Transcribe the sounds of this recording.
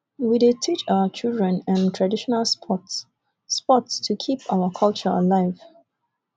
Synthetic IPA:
widetʰit͡ʃaʊət͡ʃildɹɛ̃næ̃ntʰɹadiʃɔnalspʰɔtsː | pɔtstʰukʰipʰaʊəkʰalt͡ʃəə̰laɪv̥

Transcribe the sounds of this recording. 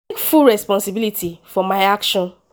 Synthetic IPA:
kfulɹɛspɔ̃nsibilitʰifɔmaɪakʃɔ̃n

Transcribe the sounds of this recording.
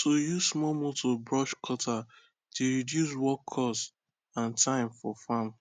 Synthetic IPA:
tʰojusmɔmotʰobɹɔʃkʰɔta | teɹidjus̬wɔkʰːɔs | ãntʰãɪ̃mfɔfam

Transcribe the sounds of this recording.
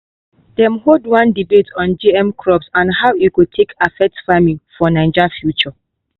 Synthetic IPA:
dɛ̃mɦodwãndibetʰɔ̃nd͡ʒiɛ̃mkʰɹɔpsãnhawjukud̚tʰekʰafɛk̚tfamĩŋfɔnãɪ̃nd͡ʒafjut͡ʃɔ

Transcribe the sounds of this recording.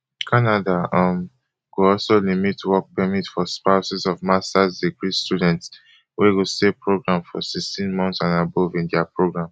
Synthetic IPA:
kʰanadaʌm | ɡ̥oɔlsolimitwɔk̚pɛmitfɔspaʊsizɔvmastazdiɡɹistjudɛ̃nts | weɡosepɹoɡɹãmfɔ̰sikstĩnmɔ̃nθsãnabɔvĩndɛapɹoɡɹãm

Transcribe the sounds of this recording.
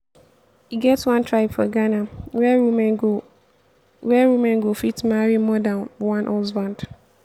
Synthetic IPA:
iɡɛtswãntʰɹaɪbfɔɡanawɛwumɛ̃nɡo | wɛwumɛ̃nɡofitmaɹimɔdãnwãnʔolzbãnt

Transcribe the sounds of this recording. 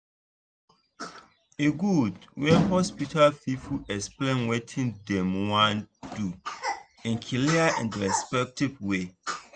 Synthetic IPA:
eɡudwɛ̃nhɔspitʰalfifuɛksplẽnwetʰĩndɛ̃mwãndu | ĩnkʰiliaʔɛ̰̃ndɹɛspɛk̚tivwe

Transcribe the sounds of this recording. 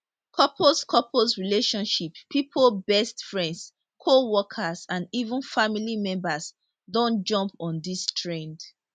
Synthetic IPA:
kʰɔpʰoskʰɔpʰosɹileʃɔ̃nʃippʰːipʰolbɛstfɹɛ̃nds | kʰowɔkʰasãndivũnfamilimɛ̃mbas | dõnd͡ʒɔ̃mpɔ̃ndistʰɹɛ̃nd

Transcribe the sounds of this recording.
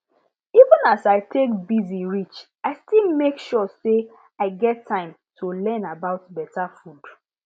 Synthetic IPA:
ivə̃nasaɪtʰek̚biziɹit͡ʃ | aɪstilmekʃɔse | aɪɡɛtʰːãɪ̃m | tʰulɛ̃nabaʊt̚bɛtafud̥

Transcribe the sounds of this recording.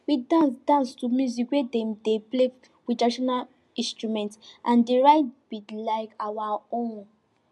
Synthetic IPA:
widãnsdãnstumjuzikwedɛ̃mdeple | widaʃɔnal | ĩnstɹumɛ̃ntʔãndeɹaɪt̚b̥idlaɪkawaõn

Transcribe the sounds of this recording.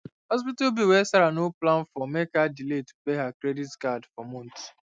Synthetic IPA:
hɔs̬pitabiwɛsaɾanoplãnfɔmekadiletu̥peɦakɾeditkadfɔmɔ̃nt

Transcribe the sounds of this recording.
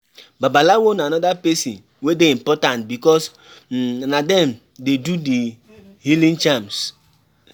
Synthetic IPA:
babalawonanɔdapesin | wedeimpɔtãntbikɔs | nadɛm | dedudi | hilĩnt͡ʃams

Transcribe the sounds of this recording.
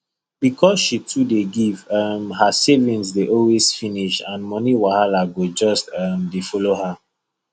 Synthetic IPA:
b̥ikʰɔsʃitʰudeɡivamhasevĩnsdeʔɔlwez̥finiʃãnmɔniwahalaɡod͡ʒɔstamdifɔloha

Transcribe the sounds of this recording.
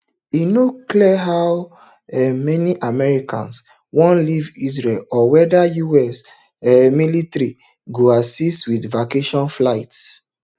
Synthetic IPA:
inokliɛɦaw | ɛmɛniʔamɛɹikʰã̰ns | wɔ̃nlivis̬ɹelɔwɛdajuɛs | ɛmilitɹi | ɡoasistwidvakeʃɔ̃nflaɪts

